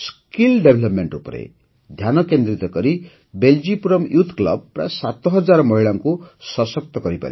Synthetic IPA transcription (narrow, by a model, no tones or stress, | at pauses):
skilɖebʱelʌpmeɳʈupʌɾḛ | d̪ʱjanʌkend̪ɾit̪ʌɡʌɾi | beld͡zipuɾʌmjut̪ʰklʌ̰b̚ra̰sat̪ʌɦʌd͡zarmʌɦiɭaŋkosʌsʌk̚t̪ʌɡʌɾipʌ̰ɾḛ